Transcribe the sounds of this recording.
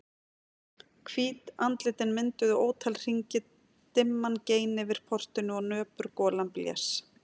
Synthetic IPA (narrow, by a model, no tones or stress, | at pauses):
kʰviːt̪ant̪lɪt̪ɪnmɪnt̪ʏðʏoːwt̪ʰalr̥iɲcɪ | t̪ɪmːanceːjnɪvɪɾ̥pʰɔr̥t̪ɪnʏɔɣnœːpʏɾkɔːlampljɛ̰̥s